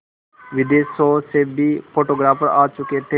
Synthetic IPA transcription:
ʋɪd̪eːsoːsebʱiːpʰoːʈoːɡɾaːpəɾaːt͡ʃʊket̪ʰe

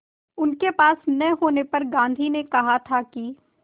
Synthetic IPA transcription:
ʊnkepaːsnɛɦoːnepɐɾɡãːnd̪ʱinekɐɦat̪ʰaki

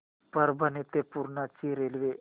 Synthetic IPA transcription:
pəɾbʱənit̪epuɾɳat͡ɕiɾelʋe

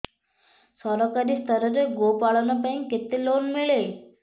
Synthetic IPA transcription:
sɔɾɔkaɾiːst̪ʰəɾəɾeɡopaɭanəpainket̪ːelonmiɭe

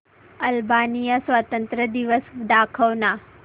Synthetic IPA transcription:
ɐlbaːnijɐsʋat̪ənt̪ɾəd̪iʋəsd̪aːkʰɐʋna

